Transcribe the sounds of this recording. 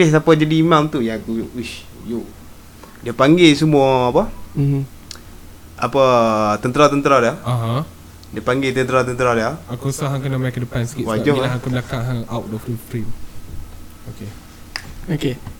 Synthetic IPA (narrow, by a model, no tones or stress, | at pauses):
ehs̬apad͡ʒadiːmãŋt̪ujaɡujʔiʃ | joʔ | diəpaŋɡes̬umuaːpa | apət̪ənt̪əɾat̪ənt̪əɾadaaɦã | diəpaŋɡet̪ənt̪əɾat̪ənt̪əɾadaakosaɦãŋkənamakədəpanskiwad͡ʒalaɦãkəblakãŋɦaŋawtɔfdəfɾim | oke | oke